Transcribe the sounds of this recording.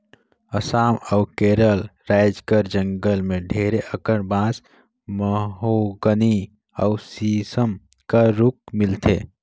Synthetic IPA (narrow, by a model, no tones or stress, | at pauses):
əsaːməwkeːɾəlɾaɪd͡ʒkəɾd͡ʒə̃ŋɡəlmẽɖʱeːɾeʔəkəɽbãːs | məɦoɡəni | əusisəm | kaɾuk̚mɪlt̪ʰḛ